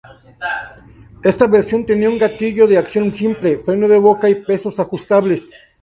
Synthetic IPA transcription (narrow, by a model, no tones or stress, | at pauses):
e̞st̪aβeɾsjo̞nt̪e̞niauŋɡat̪iʝo̞ðeaksjo̞nsimple̞fɾe̞no̞ðe̞βo̞kaipe̞so̞saxust̪aβles